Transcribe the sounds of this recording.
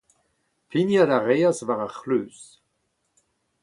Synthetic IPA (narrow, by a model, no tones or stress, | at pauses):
pʰinjadaʁeasvaʁaχløːs